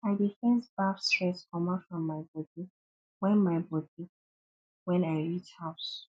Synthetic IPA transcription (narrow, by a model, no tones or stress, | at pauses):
aɪdifɛ̃nsb̥afstɹɛskʰɔmãfɹɔ̃mːaɪbɔdi | wɛ̃nmaɪbɔdi | wɛ̃naɪɹithaʊs